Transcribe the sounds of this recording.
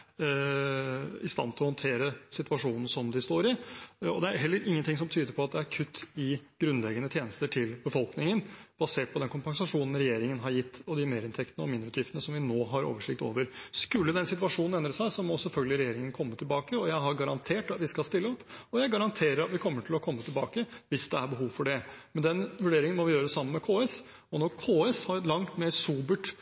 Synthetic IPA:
ɪst̪ɑ̰nːt̪ʰɪlɔhɔnt̪ʰeːɾəsɪt̪ʉʋɑʂuːnn̩sɔmd̪ɪst̪oːɾɪɔd̪ɛæɾɦɛlːəɾʔɪŋːənt̪ɪŋsɔmt̪ʰyːd̪əɾpʰɔɑt̪̚d̪ɛæɾkʰʉt̪ʰːɪɡ̥ɾʉnlɛɡənət̪ʰjeːnəst̪əʈʰɪlbəfɔlknɪŋənb̥ɑseːʈ̚pʰɔd̪ɛnkʰʊmpɑŋsɑʂuːnn̩ɾɛjeːɾɪŋənɦɑɾjɪt̪ʰːɔd̪ɪmeːɾɪnt̪ʰɛkt̪nəɔmɪnd̪ɾʉːt̪jɪft̪ənəsɔmʋɪnoːɦɑɾo̰ːʋəʂɪk̚t̪o̰ːʋəɾskʉlːəd̪ɛnsɪt̪ʉɑʂuːnn̩ɛnd̪ɾəsæɪsɔmɔsɛlfœlɡəlɪɾɛjeːɾɪŋənkʰɔmːət̪ʰɪlbɑːkəɔjæɪɦɑɾɡɑɾɑnt̪ʰeːʈɑt̪ʋɪskɑlst̪ɪlːəɔpːɔjæɪɡɑɾɑnt̪ʰeːɾəɾɑt̪ʋɪkʰɔmːəʈʰɪlɔkʰɔmːət̪ʰɪlbɑːkəʋɪsd̪ɛæɾbəɦuːʋfɔɖɛmɛnd̪ɛnʋʉɖeːɾɪŋənmɔʋɪjøːɾəsɑmːənmɛkʰoːɛs | ɔnɔɾkʰoːɛshɑɾlɑŋt̪meːɾsuːbəʈ

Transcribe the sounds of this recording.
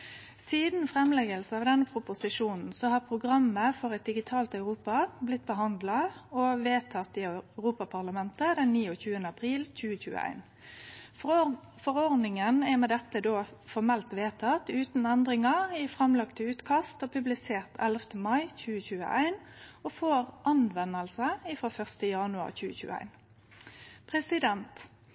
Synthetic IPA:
siːd̪n̩fʁɛmlɛɡəlsəɑʋd̪ɛnːəpʰʁʊpʊsɪʂuːnn̩sɔhɑpʰʁʊɡʁɑmːəfɔʁɛt̪̚d̪ɪɡɪt̪ʰɑːlt̪œʉʁuːpɑblɪt̪ːbəɦɑnd̪lɑɔʋeːt̪ʰɑt̪ːɪœʁuːpɑpʰɑʁlɑmɛnt̪əd̪ɛnːiːɔçʉːənəɑpʰʁiːlc͡çʉːəçʉ̰ːə̰æ̰ɪn | fɔʁɔʁnɪŋənɛmɛd̪ɛt̪ːəd̪oːfɔʁmɛlt̪ʋeːt̪ʰɑt̪ʉːt̪n̩ɛnd̪ʁɪŋɑɪfʁɛmlɑkt̪əʉːt̪kʰɑst̪ɔpʰʉblɪseːʁt̪ʰɛlft̪əmɑɪçʉːəçʉːə̰ʔæ̰ɪn | ɔfoːʁʔɑnʋɛnːəlsəɪfɾoːfœʁst̪əjɑnʉɑ̰ʁçʉːə̰çʉ̰ːəæ̰ɪn | pʰʁɛsɪd̪ɛnt̪

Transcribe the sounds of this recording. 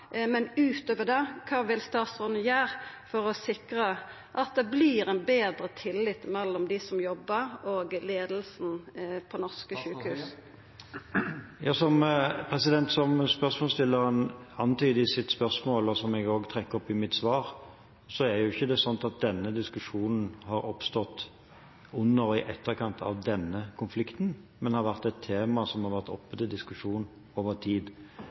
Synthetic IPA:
mɛnʉːt̪øːʋəd̪ɛkʰɑːʋɪlst̪ɑːt̪sɔːɾnəjæːɾfɔɾɔsɪkɾə | ʔɑt̪̚d̪ɛbliːɾɛnbeːd̪ɾət̪ʰɪlːɪt̪mɛlːɔmd̪ɪsɔmjɔbːəɾoːɡleːd̪lsn̩pʰɔnɔʁskəʃʉːkhʉːs | jɑːsɔmpʰɾɛsɪd̪ɛnt̪sɔmspœʁsmɔːlst̪ɪlːəʁənɑnːt̪ʰyːd̪ɪsɪt̪spœʁsmoːlɔsɔmɛɡoːɡt̪ʰʁɛkːəʁɔpɪmɪt̪sʋɑːʁ | sɔæɾjʊɪçːəd̪ɛsɔnt̪ɑt̪̚d̪ɛnːəd̪ɪskʉʂuːnn̩hɑɾɔpst̪ɔt̪ | ʊnːəɾɪʔɛt̪ːəɾkʰɑnt̪ʰɑ̰ʋd̪ɛnːəkʰʊnflɪkt̪n | mɛnhɑɾʋæʁt̪ɛt̪ʰːeːmɑsɔmhɑʁʋæʁt̪ɔ̰pːət̪ɪd̪ɪskʉʂuːn | oːʋəʁt̪ʰiːd̪

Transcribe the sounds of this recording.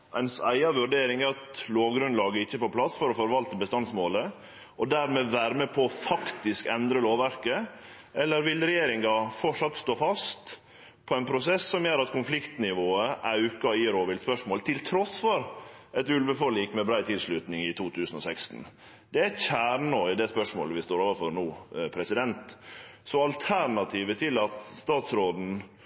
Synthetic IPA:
ʔɛ̰ɪnsæɪɑʋʉɖeːɾɪŋæɾɑt̪loːʋɡɾʉnlɑːɡəɪçːəpɔpʰlɑsfɔɾɔfɔɾʋɑlt̪əbəst̪ɑnsmoːlə | ɔd̪æɾmeːʋæːɾmepʰɔːfɑkt̪ɪskɛnd̪ɾəloːʋæɾkə | ʔɛlːəɾʋɪlɾɛjeːɾɪŋɑfɔʈʂɑt̪st̪oːfɑst̪ | pʰɔɛɪnpʰɾʊsɛsːɔmjøːɾɑt̪kʰʊnflɪkt̪nɪʋoːəʔɑʉkɑiːɾoːʋɪlspœʂmoːlt̪ʰɪlt̪ʰɾɔsfɔɾɛt̪ʉlʋəfɔɭiːkmɛbɾæɪt̪ʰɪlsɭʉt̪nɪŋɪt̪ʰuːt̪ʰʉːsənɔsɛkst̪n̩ | d̪ɛæt̪çæːɾɳoːɪd̪ɛspœʂmo̰ːləʋɪst̪oːɾoːʋəɾfɔɾnuːpʰɾɛsɪd̪ɛnt̪sɔɑlt̪ʰæɾɳɑt̪ʰiːʋət̪ʰɪlɑt̪st̪ɑːt̪sɾoːd̪n̩

